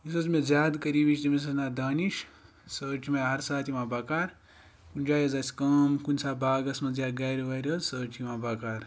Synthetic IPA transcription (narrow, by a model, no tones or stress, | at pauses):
is̬ɐzmezʲjaːd̪kɐɾiːʋiʃt̪imis̬ɐznaːd̪aːniʃ | səːt͡ʃʰimɐɦɐɾsaːt̪ʰimaːbɐkaːɾ | kunʲd͡ʒaːjɐzɐsʲkɐːmkunʲsaːbaːɡɐsmɐzjaːɡɐːɾʲiʋɐːɾʲɐzsəːt͡ʃʰimãːbɐkaːɾ